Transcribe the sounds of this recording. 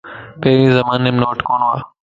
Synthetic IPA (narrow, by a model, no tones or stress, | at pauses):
pɐɦɪɾĩzɐmaːnemnoːʈkoːna̰ː